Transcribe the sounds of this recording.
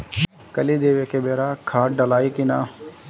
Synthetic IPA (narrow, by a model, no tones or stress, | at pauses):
kəliːd̪eːʋeːkebeːɾaːkʰaːʈɖəlaːiːkinaː